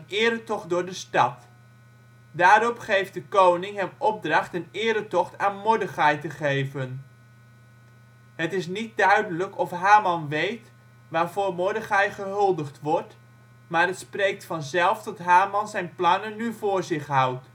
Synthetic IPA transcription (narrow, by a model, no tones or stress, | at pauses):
nɪːɾətɔχt̚dʊːɹdəstɑt | daːɾɔpχejfdəkownɪŋɦɛmɔb̚drɑχtənɪːɾətɔχtaːnmɔdəχɑjtəχejvən | ɦətɪs̬nit̚dœɥdələkɔfɦaːmɑnʋejt | ʋaːɹvʊːɹmɔɹdəχajχəɦɵlˠdəχtʋɔɹt | maːɹətsprejk̚tfɑnzɛlˠftɔtɦaːmɑnzɛjnplɑnənːyvʊːɹzɪχɦʌwt